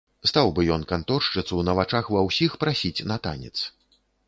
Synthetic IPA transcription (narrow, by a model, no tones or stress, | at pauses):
st̪awbɨjɔnkant̪ɔrʂt͡ʂɨt̪suwnɐvat͡ʂaxvɐwsʲixpɾasʲit͡sʲnɐt̪a̰nʲɛ̰t̪s